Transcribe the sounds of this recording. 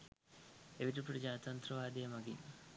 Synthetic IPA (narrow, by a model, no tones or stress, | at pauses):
eʋiʈɐpɾɐd͡ʒaːnɐt̪ɐnt̪ɾɐʋaːd̪eːmɐɡi